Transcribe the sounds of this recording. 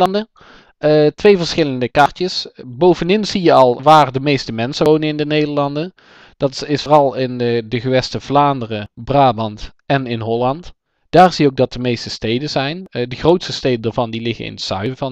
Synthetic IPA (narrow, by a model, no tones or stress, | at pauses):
lndə | ətʋejvəɹsχɪləndəkɑɹtəsbowvəndɪnzijəɑlˠʋaːɹdəmejstəmɛnsəownənɪndənejdəɹlɑndən | d̥ɑtɪsfɔrɑlˠɪndəχəʋɛstəvlaːndərəbraːbɑnt | ɛnɪnɦɔlɑnt | d̥aːɹzijəowk̚dɑt̚dəmejstəstejdənzɛjndəχrowtstəstejdəndaɹvɑndilɪχə̰nɪ̰nəsœ̰ɥvɑn